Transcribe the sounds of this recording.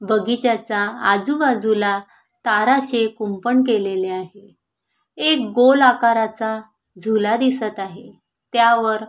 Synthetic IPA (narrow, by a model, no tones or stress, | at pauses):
bəɡit͡ɕat͡saːd͡zubad͡zula | t̪aɾat͡sekumpəɳkeleleaɦe | ek̚ɡolakaɾat͡sa | d͡zʱulad̪isət̪aɦe | t̪jaʋəɾ